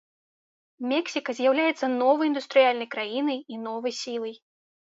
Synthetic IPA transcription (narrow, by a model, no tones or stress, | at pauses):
mʲɛksʲikɐzʲjawlʲajɛt̪sːɐnɔvɐjind̪ust̪ɾɨjalʲnɐjkɾajinɨjinɔvɐjsʲilˠɨj